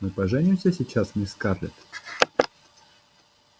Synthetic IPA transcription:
mɨpɐʐɛnʲɪmsʲəsʲɪt͡ɕasmɨskarlʲɪ̰t̪

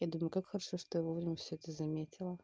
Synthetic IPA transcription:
jad̪umʊjʊkakxəɾɐʂoʂt̪ojavovɾʲɪmʲəfsʲɵɛt̪əzɐmʲetʲʰɪlˠə

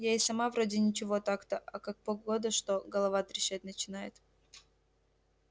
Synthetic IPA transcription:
jejsɐmavɾodʲɪnʲɪt͡ɕɪvo̞t̪akt̪əʔɐkak̚poɡod̪əʂt̪oɡəlˠɐvat̪ɾʲɪɕːatʲnət͡ɕɪnajɪt̪

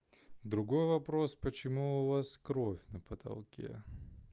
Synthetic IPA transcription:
d̪ɾʊɡo̞jvɐpɾo̞spət͡ɕɪmuʊvaskɾofʲnəpət̪ɐ̰lˠkʲḛ

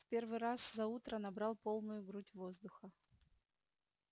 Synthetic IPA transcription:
fpʲe̞rvɨɾaszɐut̪ɾənɐbɾɑlˠpo̞lˠnʊjʊɡɾutʲvo̞zd̪ʊxə

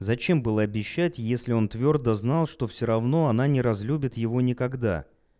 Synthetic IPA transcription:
zɐt͡ɕe̞mbɨlˠəɐbʲɪɕːætʲjesʲlʲɪo̞nt̪vʲo̞rd̪əznɑlˠʂt̪o̞fsʲoɾɐvno̞ɐnanʲɪɾɐzlʲubʲɪt̪jɪvo̞nʲɪkɐɡd̪a̰

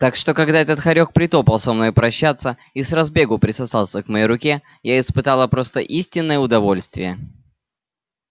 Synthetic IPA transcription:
t̪akʂt̪o̞kɐɡd̪aɛt̪ət̪xɐɾʲo̞k̚pɾʲɪt̪o̞pəlˠsɐmno̞jpɾɐɕːat̪sːə | isrɐzbʲe̞ɡʊpɾʲɪsɐsalˠsʲəkmɐjeɾʊkʲe | jaɪspɨt̪alˠəpɾo̞st̪əʔisʲtʲɪnːəjəʊd̪ɐvo̞lʲst̪vʲɪjə

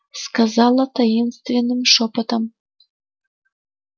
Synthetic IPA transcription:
skazɑlˠɐt̪ʰajinst̪vʲenːɨmʂopət̪am

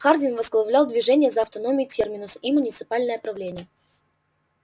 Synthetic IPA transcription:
xardʲɪnvəzɡlˠɐvlʲalˠd̪vʲɪʐɛnʲɪjəzɐɐft̪ɐnomʲɪʊtʲermʲɪnʊsimʊnʲɪt̪sɨ̥palʲnəjəpɾɐvlʲenʲɪjə

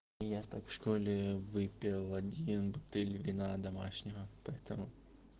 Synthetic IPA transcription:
jast̪akfʂkolʲɪvɨpʲɪlˠɐdʲinbʊt̪ɛlʲvʲɪnad̪ɐmaʂnʲɪvəpɐɛt̪əmʊ

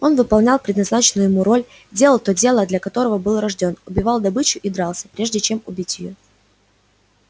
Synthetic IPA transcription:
o̞nvɨpɐlˠnʲalˠpɾʲɪd̪nɐznat͡ɕɪnʊjʊjɪmuɾo̞lʲ | dʲelˠəlˠt̪o̞dʲe̞lˠəd̪lʲɐkɐt̪o̞ɾəvəbɨlˠrɐʐdʲo̞nʊbʲɪvɑlˠd̪ɐbɨt͡ɕʊʔid̪ɾɑlˠsʲə̥pɾʲe̞ʐdʲɪt͡ɕe̞mʊbʲitʲjjo̰

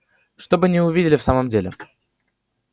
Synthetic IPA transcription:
ʂt̪o̞bɨnʲɪʊvʲidʲɪlʲɪfsaməmdʲelʲɪ̰

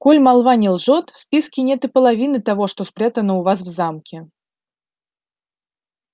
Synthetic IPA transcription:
kɔlʲmalˠvanʲɛlˠʐɔt̪sʲpʲiskʲinʲɛt̪ɨpəlˠavʲinɨt̪avɔʂt̪ɔspɾʲat̪ənəuvas̬vzamkʲɪ

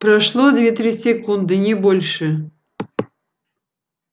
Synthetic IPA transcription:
pɾɐʂlˠod̪vʲet̪ɾʲisʲɪkund̪ɨnʲɪbolʲʂɨ

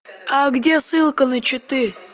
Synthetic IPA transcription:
aɡdʲesɨlˠkənɨt͡ɕɪt̪ɨ

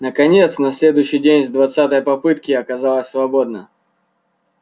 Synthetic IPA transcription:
nəkɐnʲet̪snɐsʲlʲe̞d̪ʊjɕːɪjdʲenʲvd̪vɐt̪sat̪əjəpɐpɨt̪kʲɪɐkɐzalˠəsʲsvɐbo̞d̪̚nə̰

